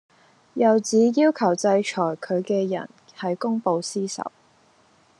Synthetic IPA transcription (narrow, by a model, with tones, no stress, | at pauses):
jɐ˨wt͡siː˨˥jiː˥wkʰɐ˨˩wt͡sɐ˧jt͡ʃʰɔː˨˩jkʰɵ˨˧ɥkɛː˧jɐ̰˨˩n | hɐ˨jkʊ˥ŋpo˨˧wsiː˥sɐ̰˨˩w